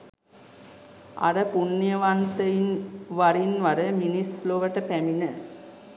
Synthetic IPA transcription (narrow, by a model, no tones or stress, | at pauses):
a̰ɾəpunːjɐʋant̪əjinʋaɾinʋɐɾəminisloʋəʈəpæminə